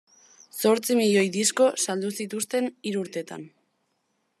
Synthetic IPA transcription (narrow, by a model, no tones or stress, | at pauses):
so̞ɾt͡simiʎo̞jðisko̞sald̪usit̪ust̪e̞niɾuːɾt̪e̞t̪a̰n